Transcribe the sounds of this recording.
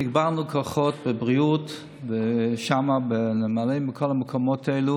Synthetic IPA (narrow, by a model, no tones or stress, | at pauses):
ɪɡbaʁnukʰɔχɔtbəbʁiut | bəʃamabɪnɪmaleɪmɪkʰɔlaməkʰɔmɔteɪlu